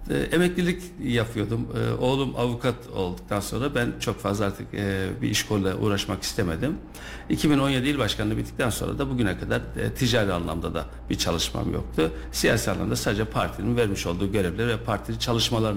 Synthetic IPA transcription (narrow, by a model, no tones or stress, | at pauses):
ʔemɛclʲilʲic | japʰɯjo̞d̪umɯo̞ːlˠumavukʰat̪ʰo̞̰lˠd̪uk̚t̪ʰanso̞nɾabænt͡ʃʰo̞kfazlˠaaɾt̪ʰɯkːbḭiʃkʰolʲˠlˠaʔṵːɾaʃmaki̥st̪ʰeme̞d̪im | icʰibino̞nje̞d̪ilʲbaʃkʰanabit̪ʰːi̥c̚t̪ænso̞nɾa̰d̪abuɟynɛkʰad̪aɾt̪ʰid͡ʒaːɾia̰nlˠa̰md̪ad̪a̰ | b̥it͡ʃʰalˠɯʃma̰mjo̞̰k̚t̪ʰu | sija̰ːsiːanˠa̰md̪asaːd̪ed͡ʒɛpʰaɾt̪ʰininvæɾmiʃo̞lˠd̪uːɟø̞ɾɛvlʲæɾvɛpʰaɾt̪ʰiint͡ʃʰalˠɯʃmalˠaɾɯn